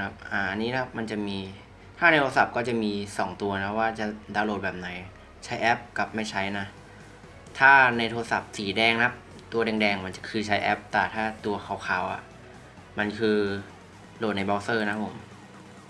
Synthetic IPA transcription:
a˦˥p̚ʔaː˨˩ʔa˧nːiː˦˥kʰa˦˥p̚ma˧nt͡ɕa˨˩miː˧ | t̪ʰaː˥˩na˧jt̪ʰo˧sa˨˩p̚kɔː˥˩t͡ɕa˨˩miː˧sɔː˩˦ŋt̪u˧ɐna˦˥waː˥˩t͡ɕa˨˩daː˧wloː˨˩t̪̚bɛː˨˩p̚na˨˩˦j | t͡ɕʰa˦˥jʔɛː˦˥p̚ka˨˩p̚ma˥˩jt͡ɕʰa˦˥jna˦˥ | t̪ʰaː˥˩na˧jt̪ʰoː˧sa̰˨˩p̚siː˩˦dɛː˧ŋna˦˥p̚ | t̪u˧ɐdɛː˧ŋdɛː˧ŋma˧nt͡ɕa˨˩kʰɯː˧t͡ɕʰa˦˥jʔɛ˦˥p̚t̪ɛː˨˩t̪ʰaː˥˩t̪u˧ɐxʰa˨˩˦wkʰaː˨˩˦wʔa̰˨˩ | ma˧nkʰɯː˧ | loː˨˩t̪̚na˧jbaː˧wsɤː˥˩na˦˥pʰːo˨˩˦m

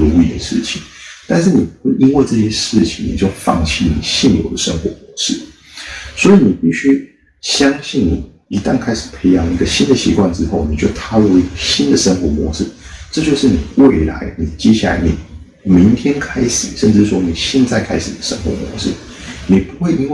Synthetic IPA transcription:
lu˧˥ḭ˧˩d̪ə˨ʂɻ̩˥˩t͡ɕʰi˨˩˦ŋt̪a˥˧nʂ̬ɻ̩˥˩ni˨˩pu˧˥xwe˥˩ɪʔi˥nwe˥˧ɪʈ͡ʂɤ˥˧ɕjɛ˥ʂɻ̩˥˩t͡ɕʰi˨˩ŋni˨˩t͡ɕjo˥˩ʊfɑ̰˥˧˩ŋt͡ɕʰi˥˩˨nḭ˨˩ɕi˥˩njo̰˨˩ʊd̪ə˦ʂə˥ŋxwɔ˧˥mwɔ˧˥ʂɻ̩˥˩ | swɔ˧˥i˨˩ni˨˩pi˥˩ɕy˥ | ɕjɑ˥ŋɕi˥˩nnḭ˨˩ | i˧˥t̪a˥˧ŋkʰa˥ɪʂɻ̩˨˩pʰe˧˥ɪjɑ˧˥ŋli˧˥ɡə˧ɕi˥nd̪ə˨ɕḭ˧˥kwa˥˩nʈ͡ʂɻ̩˥xo˥˩ʊni˨˩t͡ɕjo˥˩ʊt̪ʰa˥lu˥˧i˧˥ɡə˨ɕi˥nd̪ə˨ʂə˥ŋxwɔ˧˥mwɔ˧˥ʂɻ̩˥˩ʈ͡ʂɤ˥˧t͡ɕjo˥˧ʊʂɻ̩˥˩ni˨˩we˥˩ɪla̰˧˦ɪni˨˩t͡ɕjɛ˥ɕ̬ja˥˩la̰˧˥ɪnḭ˨˩ | mi˧˥ŋt̪ʰjɛ˥nkʰa˥ɪʂɻ̩˨˩ʂə˥˧nʈ͡ʂɻ̩˥˩˧wɔ˥ni˨˩ɕjɛ˥˧nt͡sa˥˧ɪkʰa˥ɪʂɻ̩˨˩d̪ə˨˩ʂə̰˥ŋxwɔ̰˧˥mwɔ̰˧˥ʂɻ̩˥˩ | ni˨˩pu˧˥xwe˥˩ɪi˥nwe˥˩

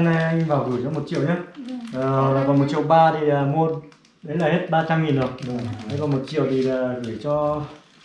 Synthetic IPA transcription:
na˧jvaː˨˩wkɨ˨˩jzɔ˨˦mo˨˩t̚t͡ɕḭ˧˨əwɲaː˨˦ə˨˩ɔ˨laː˨˩vaː˨˩wmo˨˩t̚t͡ɕi˧˨ə˨wɓaː˧t̪ʰi˨˩aː˨˩mu˧ | ɗə˨˦laː˨˩he˦˥t̚ɓaː˧t͡ɕa˧mŋi˨˩nɗə˨˩wə˨˦jvaː˨˩mo˨˩t̚t͡ɕi˧˨əwt̪ʰi˨˩laː˨˩ɣɨ˧˩t͡ɕɔ˧

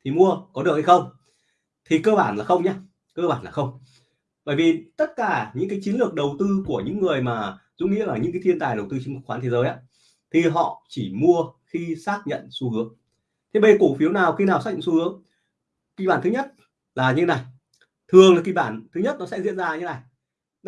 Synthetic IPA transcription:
t̪ʰi˨˩mu˧əkɔ˨˦ɨ˨˩ək̚ha˧jxə˧wŋ͡m | t̪ʰi˨˩kəː˧ɓaː˧˩nlaː˨˩xə˧wŋ͡mɲaː˧ | kəː˧ɓaː˧˩nlaː˨˩xə˧wŋ͡m | ɓə̰ː˧˩jvi˨˩t̪ə˦˥t̚kaː˧˩ɲɨ̰˧˥ŋkaː˨˦jt͡ɕi˨˦nlɨ˨˩ək̚ɗə˨˩wt̪ɨ˧ku˧˩əɲɨ̰˧˥ŋːɨ˨˩əjmaː˨˩zṵ˧˥ŋḭ˧˥əlaː˨˩ɲɨ̰˧˥ŋkaː˨˦t̪ʰi˧ənt̪aː˨˩jɗə˨˩wt̪ɨ˧t͡ɕi˧˦ŋ˦˥xaː˨˦t̪ʰe˨˦zəː˨˦jʔaː˨˦ | t̪ʰi˨˩ɦɔ̰˧˨t͡ɕi˧˩mu˧əxi˧saː˦˥k̚ɲə̰˧˨nsu˧hɨ˨˦əŋ | t̪ʰe˨˦ɓə˧˨ku˧˩fi˨˦əwnaː˨˩wxi˧naː˨˩wsaː˦˥k̚ɲə̰˧˨su˧hɨ˨˦əŋ | ki˧˩ɓaː˧˩nt̪ɨ˨˦ɲə˦˥t̚ | laː˨˩ɲɨ̰˧˥˦e˦na˨˩j | t̪ʰɨ˨˩əŋlaː˨˩ki˧˩ɓaː˧˩nt̪ʰɨ˨˦ɲə˦˥t̚nɔ˨˦sɛ̰˧˥zḭ˧ənzaː˧ɲ̰˧t̪e˦na˨˩j

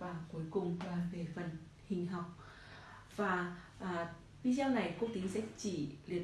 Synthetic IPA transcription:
vaː˨˩ku˨˦əjkʊ˨˩ŋ͡mvaː˨˩ve˨˩fə˨˩n | hï˨˩ŋ̟ɦa˨˩wk͡p̚ | vaː˨˩ʔː | vi˧zaː˧wna˨˩jku˦˥ək̚t̪i˨˦nsɛ̰˧˥t͡ɕḭ˧˩lḭ˨˩ə

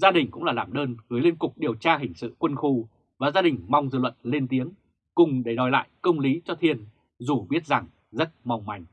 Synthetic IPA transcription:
zaː˧ɗï˨˩ŋ̟kʊ̰˧˥ŋ͡mlaː˨˩laː˨˩mɗəː˧nɣɨ˨˦jli˧ənkʊ˨˩k͡p̚ɗi˨˩əwt͡ɕaː˧ɦï˨˩ŋ̟sɨ̰˧˨kwə˧nxu˧ | vaː˨˩zaː˧ɗï˨˩ŋ̟ma˧wŋ͡mzɨ̰˧˨lwə̰˧˨nle˧nt̪i˨˦əŋ | kʊ˨˩ŋ͡mɗe˧˩ɗɔ˨˩jla̰ː˧˨jkə˧wŋ͡mli˨˦t͡ɕɔ˧t̪ʰi˧ən | zu˨˩ɓi˦˥ət̚za˨˩ŋ | zə˦˥t̚ma˧wŋ͡mma˨˩jŋ̟

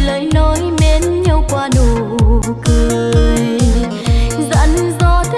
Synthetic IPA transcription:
ləː˨˦jnɔ˨˦jɗe˨˦nɲə˧wkwaː˧˩no˧˨˩kɨ˨j | zə̰˧˥nzɔ˧˩t̪ʰ

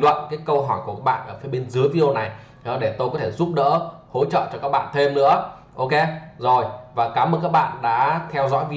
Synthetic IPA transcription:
lwə̰˧˨nkaː˨˦jkə˧wɦɔ˧˩jku˧˩kaː˦˥kɓa̰ː˧˨nʔəː˧˩fi˨˦jɓe˧nzɨ˨˦əjvi˧˥ɗo˧na˨˩j | ɗɔ˨˦ɗe˧˩t̪o˧jkɔ˨˦t̪ʰe˧˩zu˦˥p̚ɗə̰ː˧˥ho̰˧˥t͡ɕə̰ː˧˨t͡ɕɔ˧kaː˦˥k̚ɓa̰ː˧˨nt̪ʰe˧mnɨ̰˧˥ə | ʔo˧ke˧zo˨˩jvaː˨˩kaː˨˦məː˧˨kaː˦˥k̚ɓa̰ː˧˨nɗa̰ː˧˥t̪ʰɛ˧wzɔ̰˧˥jvi˧

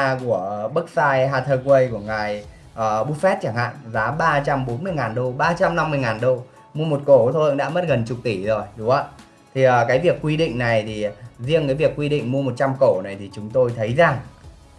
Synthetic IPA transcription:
ku˧˩əɓə˦˥k̚saː˧jɦaː˧t̪ʰəː˧kwə˧jku˧˩əŋa˨˩j | ʔəː˨˩ɓu˦˥t̚fɛ˦˥t̚t͡ɕaː˧˩ŋha̰ː˧˨nzaː˨˦ɓaː˧t͡ɕa˧mɓo˨˦nmɨ˧əjŋaː˨˩nɗo˧ɓaː˧t͡ɕa˧mna˧mːɨ˧əjŋaː˨˩nɗo˧ | mu˧əmo˨˩t̚ko˧˩t̪ʰo˧ə˧ŋɗa̰ː˧˥mə˦˥t̚ɣə˨˩nt͡ɕʊ˨˩k͡p̚t̪i˧˩zo˨˩jɗʊ˨˦ʔaː˧˦ | t̪ʰi˨˩ʔəː˨˩kaː˨˦jvi˨˩əkːwi˧ɗḭ˧˨ŋ̟na˨˩jt̪ʰi˨˩zi˧əŋkaː˨˦jvi˨˩əkːwi˧ɗḭ̈˧˨ŋ̟mu˧mo˨˩t̚t͡ɕa˧mko˧˩na˨˩jt̪ʰi˨˩t͡ɕʊ˨˦ŋ͡mt̪o˧jt̪ʰə˨˦jza˨˩ŋ

